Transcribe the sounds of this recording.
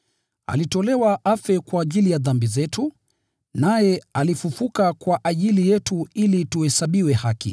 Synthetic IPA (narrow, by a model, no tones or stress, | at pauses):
a̰litɔlɛwaʔafɛkwaːʄilijaðambizɛtu | najɛalifufukakwaʔaʄilijɛtuilituhɛsaɓiwɛhakḭ